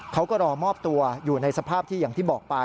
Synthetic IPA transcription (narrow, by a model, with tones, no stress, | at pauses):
kʰa˦˥wkɔː˥˩ɾɔː˧mɔː˥˩p̚t̪u˧ɐjuː˨˩na˧jsa˧pʰaː˥˩p̚t̪ʰiː˥˩jaː˨˩ŋt̪ʰiː˥˩bɔː˨˩k̚pa˧